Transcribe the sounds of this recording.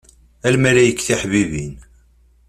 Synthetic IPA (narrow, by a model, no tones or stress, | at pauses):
ælmæɾæjəkːθiħvivin